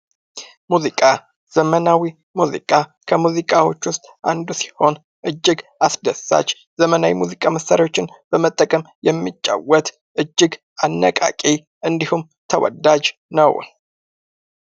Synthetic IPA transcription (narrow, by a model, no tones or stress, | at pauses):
muzikʼa | z̥əmənawi | muzḭkʼa | kʰəmuzikʼawo̞t͡ʃːwʊst̪ʼʔand̪usi̥ho̞n | ʔɨd͡ʒːɪɡasd̪əsa̰t͡ʃː | zəmənawimuzikʼaməsaɾio̞t͡ʃːɪnb̥əmət̪ʼːəkʼəm | jɛmːit͡ʃʼːa̰wət̪ | ʔɨd͡ʒːɪɡ | anːə̰kʼa̰kʼi | ʔɨnd̪ihum | t̪ʰəwɔ̰d̪ad͡ʒnəw